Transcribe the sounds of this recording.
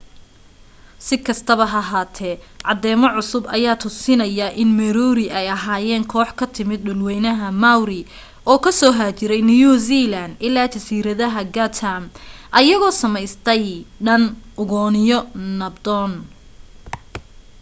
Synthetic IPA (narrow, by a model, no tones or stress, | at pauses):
sɪkʰɐst̪ʰɐβɐɦɐɦaːt̪ʰɛʕɑd̪ɛːmɔʕʊsʊbɐjaːt̪ʰʊsɪnɐjɐʔɪnmɛɾuːɾɪʔɛjɐɦaːjɛːŋkʰɔːħkʰɐt̪ʰɪmɪd̪̚ɗʊlwɛjnɐɦɐmawɾɪ | ʔɔːkʰɐsɔːɦaːt͡ʃɪɾɛjnujuzilɐnd̪ɪlːaːt͡ʃɐsiːɾɐðɐɦɐɡɐt̪ʰamʔɐjɐɣɔːsɐmɛjst̪ʰɛjɖɐnʔʊɣɔːnɪjɔnɐbd̪ɔːn